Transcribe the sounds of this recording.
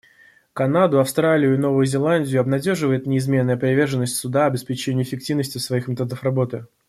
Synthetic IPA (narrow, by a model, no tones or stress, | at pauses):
kɐnad̪ʊɐfst̪ɾalʲɪjʊɪno̞vʊjʊzʲɪlˠanʲdʲɪjʊɐbnɐdʲo̞ʐɨvəjɪt̪nʲɪɪzmʲe̞nːəjəpɾʲɪvʲe̞rʐənːəsʲtʲsʊd̪aɐbʲɪspʲɪt͡ɕenʲɪʊːɪfʲɪk̚tʲivnəsʲtʲɪsvɐixmʲɪt̪od̪əfrɐbo̞t̪ɨ